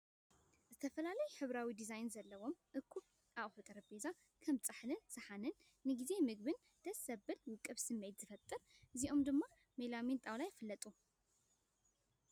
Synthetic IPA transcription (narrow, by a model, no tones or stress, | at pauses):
zɨt̪ʰɐfɐlalɐjuħɨβɾawid̪izajnzɐlːɐwo̞mʔɨkʰːu | ʔaʔħut̪ʼɐɾɐbeza | kʰɐmt͡sʼɨħlɨnsɨħanɨnː | ɨɡize̞mɨɡ̚bɨn | d̪̥ɐsɐbːɨlwɨkʼːɨβsɨmːet̪z̥ɨfɐt̪ʼːɨɾɨziʔo̞md̪ɨmːa | melamint̪ʼawlajfɨlːɐt̪ʼu